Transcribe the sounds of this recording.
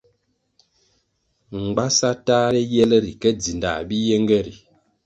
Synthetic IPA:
ŋ̩˨ɡ͡ba˦sa˦taː˦ɾɛ˦jɛ˦lɛ˦ɾi˨kɛ˦d͡zi˨nda̰˨bi˦jɛ˦ŋɡɛ˦ɾi˨

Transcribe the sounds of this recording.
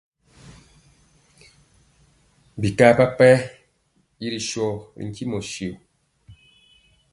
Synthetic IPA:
bi˨ka˦˨pa˦pɛ˦ | ji˦ɾi˨ʃɔ˦˨ɾḭ˨ŋ˨ki˦mɔ˨ʃi˨

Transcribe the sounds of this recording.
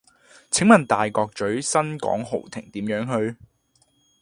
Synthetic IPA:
t͡sʰɪ˨˥ŋmɐ˨˩nt̪aː˨jkɔː˧k̚t͡ʃɵ˨˥ɥsɐ˥nkɔ̰ː˨˥ŋɦo˨˩wt̪ʰɪ̰˨˩ŋt̪iː˨˥mjœː˨˥ŋɦɵ˧ɥ

